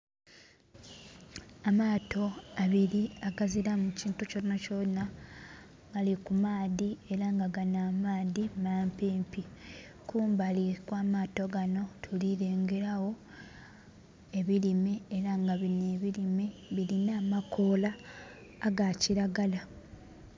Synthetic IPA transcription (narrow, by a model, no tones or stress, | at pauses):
amaːtʰo̞aβiɾiaɡaziɾamuciːntucoinːacona | ɡalikumaːðie̞ɾaŋɡaɡanaːmaːðimaːmpiːmpi | kʰuːmbalikwaːmaːto̞ɡano̞tʰuliɾe̞ːŋɡe̞ɾawo̞ | e̞βilimeeɾaŋɡaβineːβilimeβilinaːmako̞laː | ɡaciɾaɡala